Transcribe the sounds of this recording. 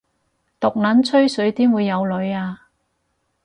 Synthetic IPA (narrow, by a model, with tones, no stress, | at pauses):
t̪ʊ˨k̚nɐ˨˥nt͡sʰɵ˥ɥsɵ˨˥ɥt̪iː˥mwuː˨˧jːɐ˨˧wlɵ˨˧ɥaː˧